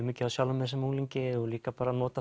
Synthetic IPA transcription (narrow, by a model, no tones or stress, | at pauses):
miːcɪasjawlʏmɛðsɛmuːŋliɲcɪɔliːkapaːɾanɔːt̪a